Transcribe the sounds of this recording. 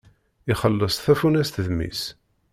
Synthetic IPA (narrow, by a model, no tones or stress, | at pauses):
ɪχəlːəsˤθæfunæst̪ðmḭs